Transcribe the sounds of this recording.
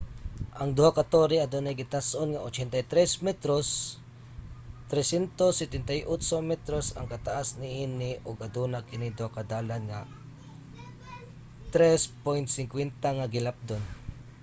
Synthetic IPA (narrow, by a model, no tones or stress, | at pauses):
ʔɐŋd̪ʊhakat̪oɾɪad̪onajɡɪt̪asʔonŋaʔot͡ʃɛnt̪ajt̪ɾɛsmɛt̪ɾos | t̪ɾɛsjɛnt̪osːɛt̪ɛnt̪ajʔot͡ʃomɛt̪ɾosɐ̰ŋkɐt̪aʔasnɪʔinɪʔʊɡɐd̪unakɪnid̪ʊhakɐd̪aːlanŋa | t̪ɾɛspojnt̪sɪŋkwɛnt̪aŋaɡɪlap̚d̪on